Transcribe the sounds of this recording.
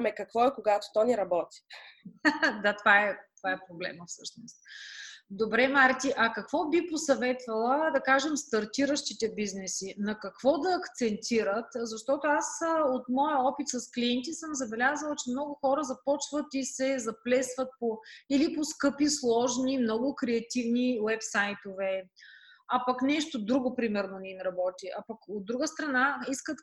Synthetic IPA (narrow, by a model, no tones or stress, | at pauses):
mɛkɐkvɔɛkoɡat̪o̥t̪ɔnɛɾɐbɔt̪i̥ | d̪at̪ovaɛt̪ovaɛpɾoblɛ̰məfsɤʃnost̪ | d̪obɾɛmaɾt̪iʔɐkɐkvɔbiposɐvɛt̪vɐlˠəd̪ɐkaʒɛmst̪ɐɾt̪iɾəʃt̪it̪ɛbiznɛsinɐkɐkvɔd̪ɐːkt̪sɛnt̪iɾət̪zɐʃt̪ɔt̪ʊasot̪mɔjəɔpit̪sɐskliɛnt̪isəmzɐbɛlʲazəlˠt͡ʃɛmnɔɡʊxɔɾəzɐpɔt͡ʃvət̪isɛzɐplɛsvət̪̚poiliposkɤpislˠɔʒnimnɔɡʊkɾɛɐt̪ivniwɛpsajt̪ovɛ | ɐpɐknɛʃt̪od̪ɾuɡopɾimɛɾnonɛimɾɐbɔt̪iʔɐpɐkod̪ːɾuɡəst̪ɾɐnaiskət̪